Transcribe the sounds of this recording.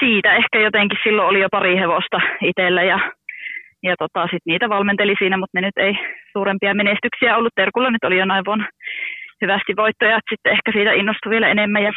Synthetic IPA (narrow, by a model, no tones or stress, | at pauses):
siːt̪æehkæjot̪eŋkissilːoolijopɑriheʋost̪ɑit̪elːæjɑ | jɑt̪ot̪ɑˑsit̪niːt̪æʋɑlment̪elisiːnæmut̪nenyt̪eisuːɾempiɑmenest̪yksiæolːut̪t̪erkulːɑnyt̪olijonɑiʋʋon | hyʋæst̪iʋʋoit̪ːojɑt̪sit̪ːeehkæsiːt̪æinːost̪uʋielæenemːæjɑ